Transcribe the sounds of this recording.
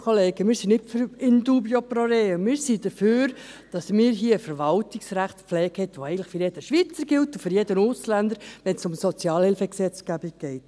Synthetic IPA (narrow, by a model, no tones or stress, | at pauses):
kʰoleːɡəmɪːɾsinɪtfɾɪnduːbjoprɔɾeːəmɪːɾsid̥əføːɾ | d̥ɑsmɪːɾɦiːəəfəɾʋɑltiksɾæχtpp͡flɛːkhɛtʋoɛɪɡn̩tlɪ̥χfʏɾjɛd̥əʃʋiːt͡səɾɡɪltufʏɾjɛdənʊslænd̪əɾʋɛnsʊmsɔt͡sjɑːlhɪlfəksɛt͡sɡ̥æbik̚ɡ̥ɛɪt